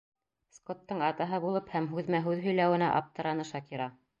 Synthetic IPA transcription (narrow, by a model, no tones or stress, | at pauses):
skot̪ːɤɴɑt̪ɑɦɤbulˠɤphæmɦʉðmæɦʉðɦɵ̆jlæwɘ̆næ̰ʔɑ̰p̚t̪ɤ̆ɾɑnɤʃɑkiɾɑ